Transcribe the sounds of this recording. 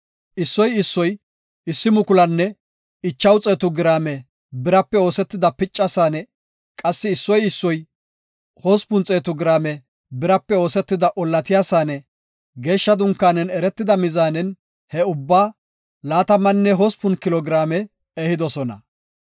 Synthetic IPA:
ʔɪsːɔjɪsːɔj | ɪsːɪmʊkʊlɐnːɛ | ɪt͡ʃːɐwt͡sʼeːt̪ʊɡɪɾaːmɛ | bɪɾɐpːɛo̞ːsɛt̪ːɪd̪ɐpɪt͡ʃʼːɐsaːnɛ | kʼɐsːɪːsːɔjɪsːɔj | hɔspʊnt͡sʼeːt̪ʊɡɾaːmɛ | bɪɾɐpːɛo̞ːsɛt̪ːɪd̪ɐʔɔlːɐt̪ɪjaːsaːnɛ | ɡe̞ːʃːɐd̪ʊŋkːaːnɛnɛɾɛt̪ːɪd̪ɐmɪzaːnɛn | hɛʊbːaː | laːt̪ɐmːɐnːɛɦɔspʊnkɪlɔɡɾaːmɛ | ɛhɪd̪ɔsɔnɐ̰

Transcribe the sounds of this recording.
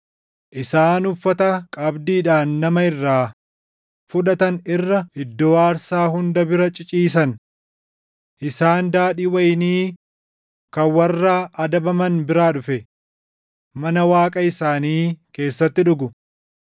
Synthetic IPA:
ʔɪsaːnʊfːɐt̪ɐkʼɐbd̪iːᶑaːnːɐmɐɪrːaː | fʊᶑɐt̪ɐnɪrːɐɪd̪ːɔwaːɾsaːɦʊnd̪ɐbɪɾɐt͡ʃʼɪt͡ʃʼiːs̬ɐn | ʔɪsaːnd̪aːᶑiːwɐjniː | kɐwɐrːaːʔɐd̪ɐbɐmɐnbɪɾaːᶑʊfɛ | mɐnɐwaːkʼɐɪsaːniːke̞ːsːɐt̪ːɪᶑʊɡʊ

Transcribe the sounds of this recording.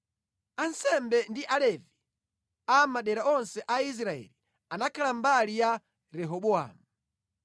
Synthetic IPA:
ansɛmbɛndiʔalɛvi | amaɗɛɾaɔnsɛʔais̬ɾaɛ̰li | anakʰalambalija | ɾɛɦɔɓɔa̰ːmu

